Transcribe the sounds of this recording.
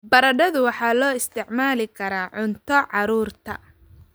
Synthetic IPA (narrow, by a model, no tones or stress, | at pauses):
bɐɾɐɖɐðʊwɑħɑːlɔːɪst̪ʰɪʕmaːlɪkʰɐɾaːʕʊnt̪ʰɔʕɑɾuːrt̪ʰɐ̰